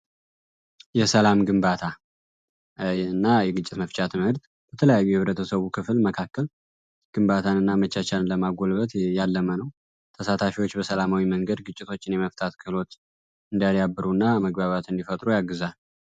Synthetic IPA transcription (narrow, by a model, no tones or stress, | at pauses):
jɛsəlamɡɨmbat̪ʰa | nːajɛɡɨt͡ʃʼːɪt̪məft͡ʃʼat̪ʰɨmhɨɾt̪ | b̥ət̪ʰələjajːujɛhɨβɾət̪ʰəsəβukʰɨflməkʰakːəl | ɡ̥ɨmbat̪ʰanɨnːamət͡ʃːat͡ʃalnləmaɡo̞lbət̪jalːəmənəw | t̪ʰəsat̪ʰafiwo̞t͡ʃːbəsəlamawiməŋɡəd̪ɡɨt͡ʃʼːɪt̪ʰo̞t͡ʃːɪnjɛməft̪ʼʰat̪kʰɨlo̞t̪ | ɨnd̪ijaljabːɨɾunːaməɡbaβat̪ɨnd̪ifət̪ʼɾujaɡɨzal